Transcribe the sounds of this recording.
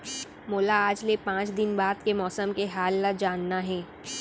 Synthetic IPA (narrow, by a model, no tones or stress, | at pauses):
moːlaaːd͡ʒlepãːt͡ʃd̪ɪnbaːd̪kemɔːsəmkeɦaːlːad͡ʒaːnːaɦɛː